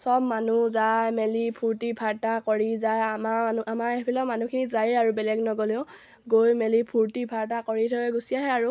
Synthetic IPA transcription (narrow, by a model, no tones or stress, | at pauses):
sɔb̚manuzajmelipʰuɹtipʰaɹtakɔɹizajamaanuamaepʰilɔmanukʰinizajaɹubɛlɛɡnɔɡɔliʊ̃ | ɡojmelipʰuɹtipʰaɹtakɔɹitʰɔjɛɡusijaɦɛaɹu